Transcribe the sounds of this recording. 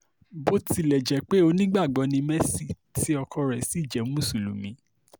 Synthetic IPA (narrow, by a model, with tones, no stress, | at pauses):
bo˦ti˧˦lɛ˨d͡ʒɛ˨˦k͡pe˦o˧nĩ˦ɡ͡ba˦˨ɡ͡bɔ˨˦nĩ˧mɛ˦si˦˨ | ti˦ɔ˧kʰɔ˧ɾɛ˨si˨˦˨d͡ʒɛ˨˦mũ˦˨su˨lṵ˨mĩ˨˦